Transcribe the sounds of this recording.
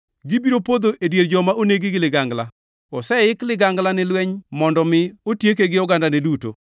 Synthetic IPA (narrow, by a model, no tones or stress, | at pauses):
ɡɪbiɾopod̪oʔedjeɾd͡ʒɔmaʔoneɡɪɡɪlɪɡaŋɡla | ɔsɛɪklɪɡaŋɡlanɪlwɛɲmɔndɔmɪotjekeɡɪɔɡandaneduto̰